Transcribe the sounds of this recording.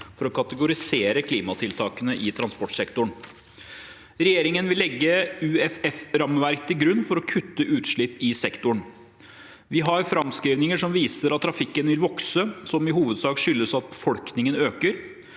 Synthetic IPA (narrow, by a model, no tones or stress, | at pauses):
fɔɾɔkʰɑt̪əɡʊɾɪseːɾəkʰliːmɑt̪ʰɪlt̪ʰɑːkənəʔɪt̪ʰɾɑnspɔʈsɛkt̪ʊɳ | ɾɛjeːɾɪŋənʋɪlːɛɡːəʉɛfɛfɾɑmʋæɾkt̪ʰɪɡɾʉnːfɔɾɔkʰʉt̪ːəʔʉːt̪ʂɭɪpːɪsɛkt̪ʊɳ | ʋɪɦɑɾfɾɑmskɾiːʋnɪŋəʂɔmʋiːsəɾɑt̪ʰːɾɑfɪkːənʋɪlʋɔksəsɔmɪɦuːʋəd̪sɑːkʂʏlːəsɑt̪̚bəfɔlknɪŋənøːkəɾ